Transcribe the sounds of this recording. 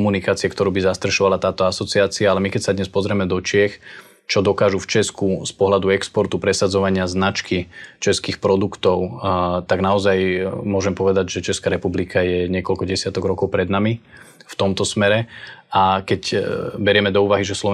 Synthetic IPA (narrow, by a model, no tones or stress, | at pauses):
munikaːt͡siɛkt̪ɔɾuːbizast̪ɾaʃɔʋalat̪aːt̪ɔasɔt͡siaːt͡siaalɛmikɛcsad̪ɲɛspɔzɾɛmɛd̪ɔt͡ʃɪɛx | t͡ʃɔd̪ɔkaːʒuft͡ʃɛskuspɔɦlad̪uɛkspɔɾt̪upɾɛsad͡zɔʋaɲɪaznat͡ʃkit͡ʃɛskixpɾɔd̪ukt̪ɔʊt̪aɡnaɔzajmʊɔʒɛmpɔʋɛd̪aɟʒɛt͡ʃɛskaɾɛpublikʰajɛɲɪɛkɔlkɔɟɛsɪat̪ɔɡɾɔkɔʊpɾɛd̪nami | ft̪ɔmt̪ɔsmɛɾɛakɛcbɛɾɛmɛd̪ɔuːʋaɦiʒɛslɔʋ